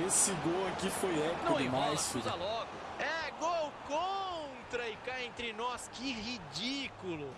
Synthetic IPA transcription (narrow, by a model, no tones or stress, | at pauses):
esɪɡowakifojɛpnɐkw̃ɪ̃majsalɔɡʊɛɡowkõ | t̪ɾɐɪkajẽnt̪ɾɪnɔskɪɦid͡ʒikulʊ